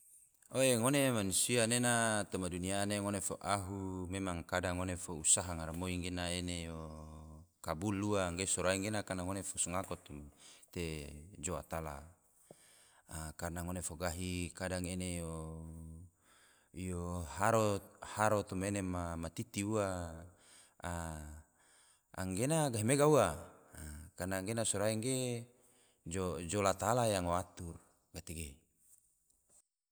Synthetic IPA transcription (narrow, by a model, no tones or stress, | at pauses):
oeŋonemanusianenat̪omadunianeŋonefoʔaɦumemaŋkadaŋːonefousaɦaŋaɾamoiŋɡenaenejo | kabuluaŋɡesoɾaiŋɡenakanaŋonefosuŋakot̪umt̪ed͡ʒoa̰t̪ala̰ | kaɾnaŋonefoɡaɦikadaŋenejo | johaɾohaɾot̪umenemamat̪it̪iua | a | a̰ŋɡenaɡaɦimeɡaua | karnaŋɡenasuɾaiŋɡe | d͡ʒod͡ʒolat̪alajaŋoat̪ur | ɡat̪iɡe